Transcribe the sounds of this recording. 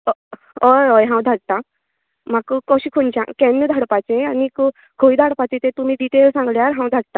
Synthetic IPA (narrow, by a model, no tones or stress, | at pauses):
ojojɦãw̃d̪ʱaɽ̚t̪ã | makkɔɕikʰont͡ɕã̰kɛnːəd̪ʱaɽpat͡sẽanik | kʰojd̪ʱaɽpat͡ɕẽt̪ẽt̪um̤iːɖiʈelsãŋɡljaɾɦãw̃d̪ʱaɽ̚t̪a